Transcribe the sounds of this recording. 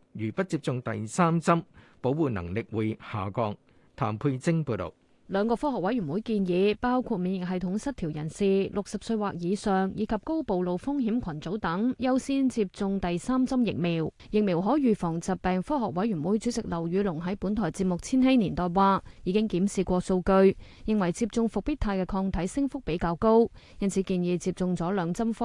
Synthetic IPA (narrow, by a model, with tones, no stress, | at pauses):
jyː˨˩pɐ˥t̚t͡siː˧p̚t͡sʊ˨˧ŋt̪ɐ̰˨jsaː˥mt͡sɐ˥mpo˨˥wwuː˨˧nɐ̰˨˩ŋlɪ˨k̚wuː˨˧jha̰ː˨˩kɔː˧ŋ | t̪ʰaː˨˩mpʰu˧jt͡sɪ˥ŋpuː˧t̪o̰˨w | lœː˨˧ŋkɔː˧fɔː˥hɔː˨k̚wɐ˨˥jɥy˨˩nwuː˨˥jkiː˧njiː˨˧paː˥wkʰuː˧t̚miː˨˧njɪ˨k̚ɦɐ˨jt̪ʰʊ˨˥ŋsɐ˥t̚t̪ʰiː˨˩wjɐ˨˩nsiː˨lʊ˨k̚sɐ˨p̚sɵ˧ɥwaː˨k̚jiː˨˧sœː˨ŋjiː˨˧˥kʰɐ˨p̚ko˥wpo˨wlo˨wfʊ˥ŋɦiː˨˥mkʷʰɐ˨˩nt͡so˨˥wt̪ɐ˨˥ŋjɐ˥wsiː˥nt͡si˧p̚t͡sʊ˧ŋt̪ɐ˨jsaː˥mt͡sɐ˥mjɪ̰˨k̚miː˨˩w | jɪ˨k̚miː˨˩wɦɔː˨˥jɥyː˨fɔː˨˩ŋt͡sɐ˨p̚pːɛː˨ŋfɔː˥ɦɔː˨k̚wɐ˨˥jɥy˨˩nwuː˨˥jt͡syː˨˥t͡sɪ˨k̚lɐ˨˩wɥyː˨˧lʊ˨˩ŋɦɐ˨˥jpu˨˥nt̪ʰɔː˨˩jt͡siː˧p̚mʊ˨k̚t͡sʰiː˥nhe˥jniː˨˩nt̪ɔː˨˩jwaː˧jiː˨˧kɪ˥ŋkiː˨˥msiː˨kʷɔː˧so˧wkɵ˧ɥjɪ˨ŋwɐ˨˩jt͡siː˧p̚t͡sʊ˧ŋfʊ˨k̚piː˥t̚t̪ʰːaː˧jkɛː˧kʰɔː˧ŋt̪ʰɐ˨˥jsɪ˥ŋfʊ˥k̚pe˨˥jkaː˧wko˥wjɐ˥nt͡sʰi˨˧˥kiː˧njiː˨˧t͡siː˧p̚t͡sʊ˧ŋt͡sɔː˨˥lœː˨˧ŋt͡sɐ˥mfɔ˥